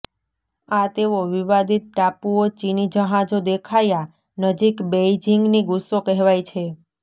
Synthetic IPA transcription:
at̪eʋoʋiʋad̪it̪̚ʈapuot͡ʃinid͡ʒəɦãd͡ʒod̪ekʰaja | nəd͡ʒikbejd͡ʒiŋɡniɡusːokɛɦʋajt͡ʃʰe

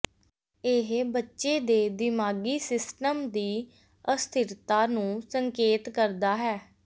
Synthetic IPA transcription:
eɦbətːʃeːd̪eːd̪ɪmaːɡiːsɪsʈəmd̪iː | əst̪ʰɪɾt̪aːnũːsəŋkeːt̪kəɾd̪aːɦɛː

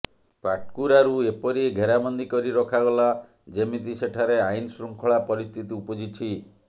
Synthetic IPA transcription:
paʈ̚kuɾaɾuepɔɾiɡʱeɾamɔnd̪ikɔɾiɾɔkʰaɡɔla | d͡ʒemit̪iseʈʰaɾeajnsɾuŋkʰɔɭapɔɾist̪ʰit̪iupɔd͡ʒit͡ʃʰi

